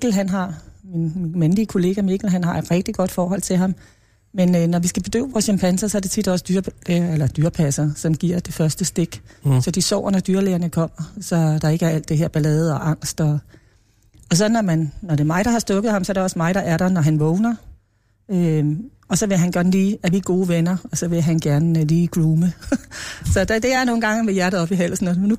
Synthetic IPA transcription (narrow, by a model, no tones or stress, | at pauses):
ɡ̥l̩ɦænɦɑ̈minmenliəkʰo̝le̝ːɡ̥æmeɡ̥l̩ɦænhɑ̈ed̥ʁɛɡ̥̚d̥iɡ̥ɒ̽d̥fɒːɦɒ̽l̰t͡sʰe̝lɦɑ̈m | menønɒʋisɡ̥æb̥e̝d̥ø̰ːʋɒːsɕɑmpʰænsɐsɒɐde̝̥t͡sʰid̥ɒ̽sd̥yɐelɐd̥yːɐpʰæsɐsɒ̽mɡ̥iɐ̰d̥e̝fɶɐsd̥əsd̥e̝ɡ̥sɒ̽d̥isɒʊ̰ɐnɒd̥yːɐleːɐnəkʰɒ̽m̰ɐsɒ̽d̥ɑ̈e̝ɡ̥əæɐæl̰d̥e̝ɦeɐ̰b̥ælɛːð̩ˠɒ̽ʔɑ̈ŋ̰sd̥ɒ̽ | ɒ̽s̬ɒ̽nːɒmænːɒd̥e̝mɑ̈ɪɾ̥ɑ̈hɑ̈sd̥ɔ̽ɡ̥ð̩ˠhɑ̈msɒɐɾ̥eɒ̽smɑ̈ɪd̥ɑ̈ʔæɐɾɐ̈nɒɦænʋɔʊnɐ | ø | ɒ̽sɒ̽ʋe̝ɦænɡ̥æɐnliːæʋiɡ̥o̝ːʋenɐɒ̽sɒ̽ʋe̝ɦænɡ̥æɐnəliːɡ̥ʁuːmə | sɒ̽d̥ed̥e̝æɐno̝ːn̩ɡɑ̈ŋmejæɐɾ̥ð̩ˠɒ̽b̥iɦæl̰sn̩nu